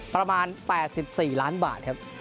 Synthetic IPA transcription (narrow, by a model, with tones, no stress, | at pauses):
pɾa˧maː˧npɛː˨˩t̪̚si˨˩p̚siː˨˩laː˦˥nba̰ː˨˩t̪̚kʰa˦˥p̚